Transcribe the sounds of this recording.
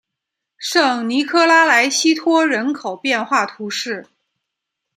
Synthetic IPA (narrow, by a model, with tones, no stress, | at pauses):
ʂɤ˥˩ŋni˧˥kʰɤ˥la˥la˧˥ɪɕi˥t̪ʰwɔ˥ɻə˧˥nkʰo˨˩ʊpjɛ˥˧nxwa˥˩t̪ʰu˧˥ʂɻ̩˥˩